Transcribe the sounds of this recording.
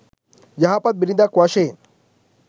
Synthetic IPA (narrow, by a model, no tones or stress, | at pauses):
jaɦapat̪̚biɾid̪akuaɕen